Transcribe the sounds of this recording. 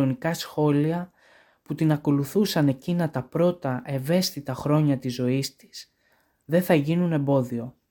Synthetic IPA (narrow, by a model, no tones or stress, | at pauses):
o̞nikɐsxo̞liɐ | put̪inɐko̞luθusɐne̞cinɐt̪ɐpɾo̞t̪ɐʔe̞ve̞st̪it̪ɐxɾo̞ɲɐt̪izo̞ist̪i̥s | ðe̞θɐʝinune̞mbo̞ðio̞